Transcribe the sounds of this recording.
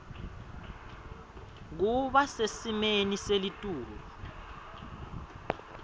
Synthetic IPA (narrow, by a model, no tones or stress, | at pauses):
k̬uɓasesimeniselitʼuːllu